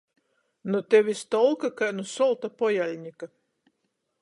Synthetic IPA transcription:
nut̪ʲevʲist̪ɔlˠkakanusɔlˠt̪apɔjalʲɲʲika

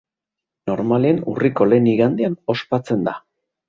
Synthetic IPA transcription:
no̞ɾmaleenṵriko̞le̞niɣand̪eano̞spat͡se̞nd̪a

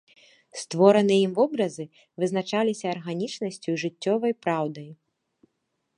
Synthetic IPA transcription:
st̪vɔɾɐnɨimvɔbɾɐzɨ | vɨznat͡ʂalʲisʲɐːrɣanʲit͡ʂnɐsʲt͡sʲuiʐɨt͡sʲːɔvɐjpɾawd̪ɐj

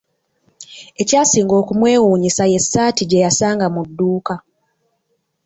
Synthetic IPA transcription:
e̞caːsiːŋɡo̞ːkumwe̞ːwuːɲisaje̞sːaːtiɟe̞jasaːŋɡamudːuːka

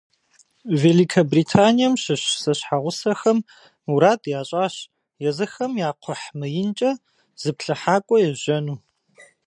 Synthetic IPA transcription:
veːlikʰɐbriːtʰaːnijɐmɕɪɕsɐɕħaʁʷʊsɐxɐm | uɾaːdjaːɕʼaːɕ | jɛzɨxɐmjaːqʷʰɔħmɨjɪnt͡ʃʼɐ | z̥ɨpɬɨħaːkʷʼɔjɛʒɐnuː

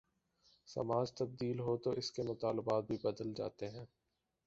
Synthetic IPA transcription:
sɐ̰maːd͡ʒt̪ɐb̚d̪iːlɦot̪oʔɪskemʊt̪aːlbaːt̪̚bʱibɐd̪əld͡ʒa̰ːt̪eɦɛ̃ː

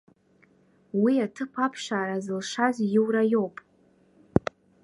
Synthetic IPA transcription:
wiatʰɨpʰapʰʂaːɾazɨlʂazjɪwɾajo̞wpʼ

